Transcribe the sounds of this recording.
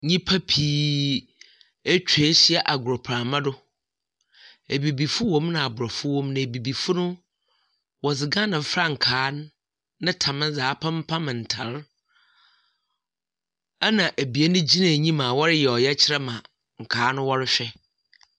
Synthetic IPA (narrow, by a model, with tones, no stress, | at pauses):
ɲĩ˦pʰa˦pʰiː˦ | e˦t͡ɕᶣʰe˨˦ɕɪ˦ɛ˦ʔa˨ɡʊ˨ɾɔ˨pʰɾa˨mã˦dʊ˦ | e˨bi˨bi˨fʊ˦wɔ̃˦mnã˨a˨bʊ˨ɾɔ˨fʊ˦wɔ̃˦mnã˨bi˨bi˨fʊ˦nʊ̃˦ | wɔ˨d͡zɪ˨ɡã˦nɪ̃˨˦fɾa˦ŋ̩˨kʰaː˨˦n˦ | nɪ̃˦tʰã˨mɪ̃˦zaː˨˦pʰã˦m˦pʰã˦mɪ̃˨n̩˨tʰa̰˨˦ɾ | a˦nã˨ʔæ˨bi˨e˦nʊ̃˦d͡ʑi˦nã˨ɲĩ˦mã˨wɔ˦ɾɪ˦jɛ˨ɔ˨jɛ˦t͡ɕʰɪ˦ɾɛ˦mã˨ | ŋ̩˨kʰaː˨˦nʊ̃˦wɔ˦ɾɪ˦ɕᶣɛ˦